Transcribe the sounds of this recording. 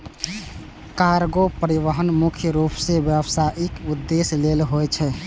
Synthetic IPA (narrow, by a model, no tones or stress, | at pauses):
kaɾɡopəɾiʋəɦənmukʰjəɾupsebjəbsaʔikud̪ːeslelɦojt͡ʃʰɛ